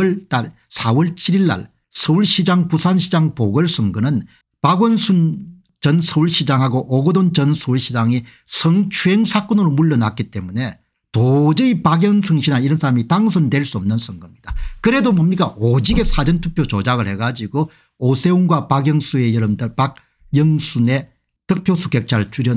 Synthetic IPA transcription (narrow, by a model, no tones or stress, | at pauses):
ɭtaɭ | sʰawʌɭt͡ɕʰiɾiɭːa̰ɭ | sʰʌuɭɕʰid͡ʑaŋpusʰanɕʰid͡ʑaŋpoɡʌɭsʰɯŋɡɯnɯn | paɡwʌnsʰun | t͡ɕʌnsʰʌuɭɕʰid͡ʑaŋɦaɡoʔoɡɯdont͡ɕʌnsʰouɭɕʰid͡ʑaŋi | sʰʌŋt͡ɕʰuɦe̞ŋsʰak͈onɯɾomuɭːʌnak͈̚it͈e̞̰mune̞ | tod͡ʑɯipaɡjʌŋsʰɯŋɕʰinaiɾʌnsʰaɾamitaŋsʰʌndwe̞ɭs͈uʌmnɯnsʰʌŋɡɯmɲid̥akɯɾe̞domomɲik͈aʔod͡ʑiɡe̞sʰad͡ʑʌntʰupʰjot͡ɕod͡ʑaɡɯɭhe̞ɡad͡ʑiɡo | osʰe̞unɡwapaɡjʌŋsʰue̞jʌɾɯmdɯɭpak̚ | jʌŋsʰune̞ | tɯk̚pʰjosʰukek̚t͡ɕʰaɭt͡ɕuɾjʌ